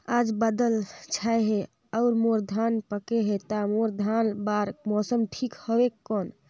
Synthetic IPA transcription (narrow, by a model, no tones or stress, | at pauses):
ad͡ʒbad̪əlt͡ʃʰajɦe | əʊɾmoɾd̪ʱanpəkeɦet̪amoɾd̪ʱanbaɾmɔsəmʈʰikhəbekːɔn